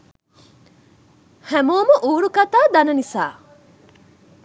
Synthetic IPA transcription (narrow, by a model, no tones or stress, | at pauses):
hæmoːmɐʔuːɾukɐt̪aːd̪ɐnɐnisa̰ː